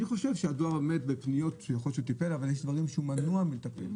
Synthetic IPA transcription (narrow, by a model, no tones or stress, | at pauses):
niχo̞ʃevʃead̪oaʁame̞d̪bepnijo̞t̪jaχolʃut̪ipe̞lavaljeʃd̪vaʁimʃeumanuamit̪apḛm